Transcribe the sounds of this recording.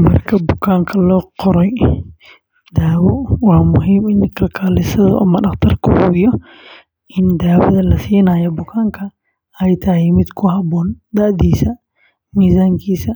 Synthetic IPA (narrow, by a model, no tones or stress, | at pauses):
mɐ̰rkʰɐbʊkʰaːŋkʰɐlɔːqɔɾɛj | d̪aːwɔwɑːmʊɦiːmɪnkʰɐlkʰaːlɪsɐðʊ̰ʔɐ̰mɐɖɑχt̪ʰɐrkʰʊhʊɪjɔ | ʔɪnd̪aːwɐ̰ðɐlɐsiːnaːjɔbʊkʰaːŋkʰɐ | ɛjt̪ʰɐɦɪmɪd̪kʰʊɦɐbɔːnd̪ɐʔd̪iːsɐ | miːsaːŋkʰiːsɐ